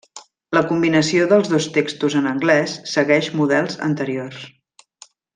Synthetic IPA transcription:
ləkumbinəsioðəlˠzðost̪ekst̪uzənəŋɡlɛsːəɣɛʃmuðɛlˠzə̰nt̪əɾiors

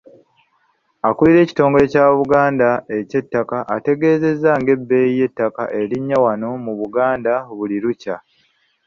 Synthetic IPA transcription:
akuliɾe̞ːci̥to̞ːŋɡo̞le̞caːβuɡaːndae̞ce̞tːakaʔate̞ɡe̞ːze̞zːaŋɡe̞bːe̞ːije̞tːaka̰ʔe̞liɲːawano̞muβuɡaːndaβuliɾuca

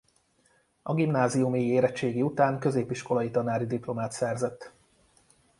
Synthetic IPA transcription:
ɒɡimnaːzijumeːjieːɾɛt͡ʃːeːɡiut̪aːŋkø̞zeːpiʃko̞lɒjit̪ɒnaːɾid̪iplo̞maːt̪sɛrzɛt̪ː

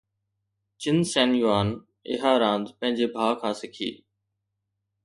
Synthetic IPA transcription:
t͡ɕɪnsɛːnjuaːn | ɪ̰ɦaːɾãːnd̪pə̃ɦɪ̃ɲd͡ʑeːbʱaːkʰãːsɪkʰḭː

